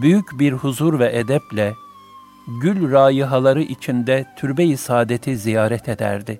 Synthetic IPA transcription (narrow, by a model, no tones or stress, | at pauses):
byjycbiɾhuzuɾvɛʔɛd̪ɛplʲɛ | ɟylʲɾaːjɯɦalˠaɾɯʔit͡ʃʰind̪ɛt̪ʰyɾbejisaːd̪et̪ʰizijaːɾɛt̪ʰed̪æ̰ɾd̪ɪ